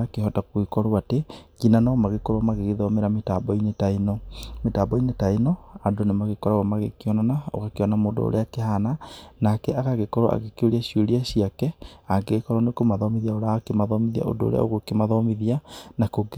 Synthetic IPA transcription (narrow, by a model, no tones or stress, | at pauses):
akeɦɔtakwekɔɾoateɡinanamaɣekoɾwamaɣeɣeðɔmeɾametabɔinetainɔmetabɔinetainɔadonemaɣekɔɾaɣamaɣekeɔnanao̰kakeɔnamodo̰o̰ɾḛakehananakɛʔakaɣekɔɾoa̰ɣekoɾiaɕioɾiaɕiakɛaɡekɔɾɔnekomaðɔmiðiaoɾakemaðɔmiðia̰o̰do̰ːɾḛa̰o̰ɣokemaðɔmiðianakoɡ